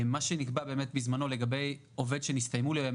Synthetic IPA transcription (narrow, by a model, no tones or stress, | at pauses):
maʃenikbabe̞ːme̞t̪bizmano̞leɡabe̞j | o̞ve̞d̪ʃenist̪ajmuli